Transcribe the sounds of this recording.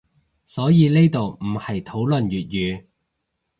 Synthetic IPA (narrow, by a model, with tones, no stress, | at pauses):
sɔː˨˥jiː˨˧ne˥jt̪o˨wm̩˨˩hɐ˨˩jt̪ʰo˨˥wlɵ˨njyː˨t̚jyː˨˧